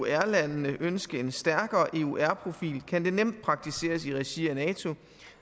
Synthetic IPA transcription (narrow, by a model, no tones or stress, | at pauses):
æɐlænnəʔønsɡ̥əe̝nsd̥æɐɡ̥ɐːʔe̝uʔæɐpʰʁo̝fḭːlkʰænd̥e̝nem̰d̥̚pʰʁɑ̈ɡ̥̚t͡sʰise̝̰ːɐsiʁɛɕiænɛːt͡sʰo̝